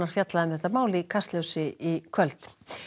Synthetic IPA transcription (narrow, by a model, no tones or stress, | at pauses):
aɾ̥fjat̪laðɪmθɛht̪amaːwlɪkʰast̪ljəwsɪikʰvœlt̪